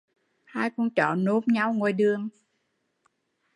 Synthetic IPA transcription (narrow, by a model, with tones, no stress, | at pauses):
haː˧jku˧nt͡ɕɔ̰˧˨no˧˦p̚ɲa˧wŋo˨˩jɗɨ˨˩əŋ